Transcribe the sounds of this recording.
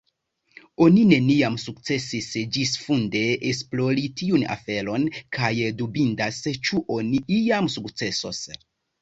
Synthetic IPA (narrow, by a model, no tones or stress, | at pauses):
o̞nine̞niamsukt͡se̞sisd͡ʒisfunde̞es̬plo̞ɾitiuna̰fe̞ɾo̞nkʰajdubindast͡ʃuʔoniʔiamsukt͡se̞so̞̰s